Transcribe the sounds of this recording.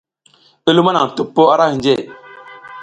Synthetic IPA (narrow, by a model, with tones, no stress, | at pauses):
i˦lu˦ma˦na˨ŋ˨tu˨pːo˦a˦ɾa˦hi˨d͡ʒe˦˨